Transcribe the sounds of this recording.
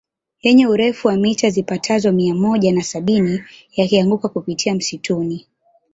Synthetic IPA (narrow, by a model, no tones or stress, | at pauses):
jɛɲɛuɾɛfuwamitazipatʰazɔmiamɔʄanasaɓinijakiaŋɡukakupitʰiam̩situni